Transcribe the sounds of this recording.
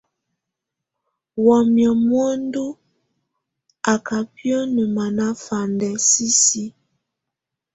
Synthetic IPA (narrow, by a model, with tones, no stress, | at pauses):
wɔ˨mjɔ˨mwɔ˦n˦du˦ | a˨ka˨pjɔ˦nə˨ma˨na˦fa˨ndɛ˨si˦si˦